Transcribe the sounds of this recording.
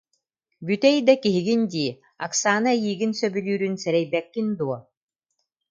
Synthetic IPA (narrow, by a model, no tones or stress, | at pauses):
byt̪ɛjd̪akiɦiɡind̪iː | aksaːnajiːɡinsœbylyːɾynsɛɾɛjbɛkːind̪uɔ